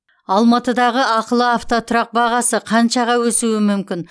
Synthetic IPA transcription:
ɑlˠmɑt̪əd̪ɑʁəɑqəlˠəaft̪ot̪ʰʊɾɑq̚bɑʁɑsəqʰɑnʃɑʁɑwɵsuɪmʏmkʲɪn

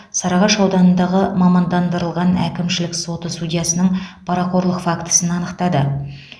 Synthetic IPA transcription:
sɑɾɑʁɑʃɑwd̪ɑnənd̪ɑʁəmɑmɑnd̪ɑnd̪əɾəlˠʁɑnæ̰kʲɪmʃɪlɪkso̞t̪əsud̪ʲijɑsənəɴpʰɑɾɑqʰo̞ɾlˠəqfɑkt̪ə̥sənɑnəqt̪ɑd̪ə

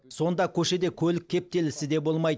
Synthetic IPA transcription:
so̞nd̪ɑkʲʰɵʃe̞d̪e̞kʲʰɵlɪkʲʰːe̞p̚t̪e̞lɪsɪd̪e̞bo̞lˠmɑj̪

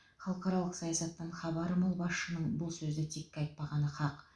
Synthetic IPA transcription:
χɑlˠəqɑɾɑlˠəqsɑjɑsɑt̪ːəɴχɑbɑɾəmʊlˠbɑsʃənəɴbʊlˠsɵzɪt̪ʰekʲːɑjt̪̚pɑʁɑnəχɑq

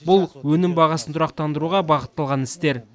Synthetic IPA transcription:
bʊlˠwɵnɪmbɑʁɑsənt̪ʰʊɾɑq̚t̪ɑnd̪əɾuʁɑbɑqət̪ːɑlˠʁɑnɪst̪e̞ɾ

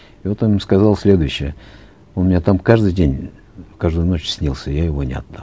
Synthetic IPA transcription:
ɪvo̞t̪onʲskɐzalˠsʲlʲe̞d̪ʊjʉɕːɪjə | onmʲɪnʲat̪amkaʐd̪ɨjdʲenʲ | kaʐd̪ʊjno̞t͡ɕsʲnʲilˠsʲəjajɪvo̞nʲɪɐ̰d̪̚d̪a

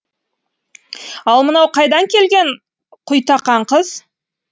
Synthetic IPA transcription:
ɑlˠmənɑwqʰɑjd̪ɑŋkʲʰe̞lɡʲe̞ɴ | qʰʊjt̪ɑqɑɴqəz̥

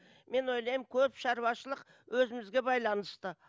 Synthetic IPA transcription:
me̞nwo̞jlˠɑjəmkʲʰɵpʃɑɾwɑʃəlˠəq | wʔɵzɪmɪzɡʲe̞bɑjlˠɑnəst̪ə

